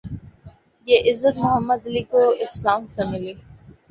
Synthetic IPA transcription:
jeʔɪzːət̪mʊɦəmːəd̪ɐliːkoɪslaːmsemɪliː

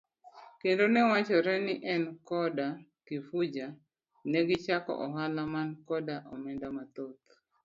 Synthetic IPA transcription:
kendonɛwat͡ʃɔɾɛnɪʔɛnkɔdakifud͡ʒa | nɛɡɪt͡ʃakɔ̰ʔɔɦalamankɔdaʔɔmɛndamat̪ot̪

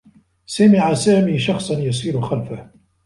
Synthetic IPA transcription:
samɪʕasaːmiːʃɑxsˤɑnjas̬iːɾʊxalfah

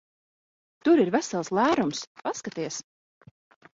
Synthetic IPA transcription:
t̪uɾiɾvæsalˠslˠæːɾumspaskat̪iɛs

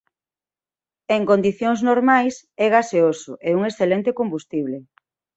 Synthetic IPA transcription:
eŋkõnd̪iθjoŋznoɾmajs | ɛɣaseosʊ̰ʔeuŋesθelɛnt̪ekombust̪iβle

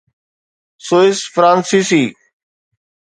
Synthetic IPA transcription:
soːɪsfɾãːnsiːsiː

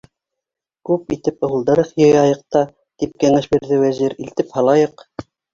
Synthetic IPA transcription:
kʉpit̪ɘpɤ̆wɤ̆lˠd̪ɤ̆ɾɤqjɤjɑjɤ̆q̚t̪ɑ | t̪ip̚kæŋæʃbiɾðɘwæziɾilt̪ɘphɑlˠɑjɤq

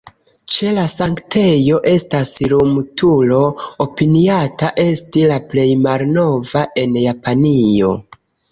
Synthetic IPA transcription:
t͡ʃe̞lasaŋktʰe̞jo̞ʔe̞staslumtulo̞opiniataʔe̞stilaple̞jmalno̞vaʔe̞njapanio̞̰

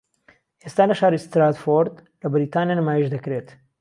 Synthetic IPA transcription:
ʔest̪aːlɐʃaːɾist̪ɾaːt̪foɾd̪ | lɐbɪɾit̪aːnijanɨmaːjeʒd̪ɐkɾeːt̪

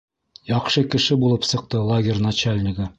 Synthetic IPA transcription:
jɒqʃɤkɘ̆ʃɘbulˠɤpsɤ̆q̚t̪ɤlˠaɡʲɪrʲnat͡ɕalʲnʲɪɡɘ

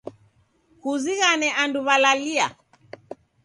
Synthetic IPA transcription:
huziɣanɛʔanduβalalia

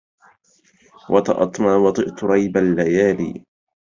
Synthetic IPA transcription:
wʔɑt̪ɑ̰ʔɑt̪ˤmaːwɑt̪ˤɨʔt̪ʊɾˤɑjbalːajaːlḭː

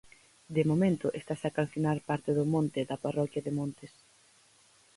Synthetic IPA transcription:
d̪emomẽnt̪ʊʔest̪asakanθinaɾpaɾt̪eðʊmõnt̪ɪðɐparɔkjɐðemõnt̪es

